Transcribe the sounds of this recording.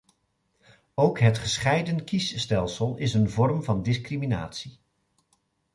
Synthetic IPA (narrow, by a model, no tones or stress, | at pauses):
owkɦətχəsχɛjdənkisːtɛlˠsəlˠɪsənvɔrmvɑndɪskrimina̰ːtsi